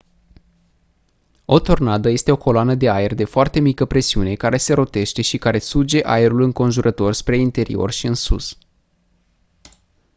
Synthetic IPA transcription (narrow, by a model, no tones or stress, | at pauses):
o̞t̪o̞rnad̪əje̞st̪e̞o̞ko̞loanəd̪e̞aerd̪e̞foart̪e̞mikəpɾe̞siune̞kaɾe̞se̞ɾo̞t̪e̞ʃt̪e̞ʃikaɾe̞sud͡ʒe̞ʔa̰eɾulɨŋko̞nʒuɾʔət̪o̞rspɾe̞int̪e̞ɾḭo̞̰rʃiɨnsṵs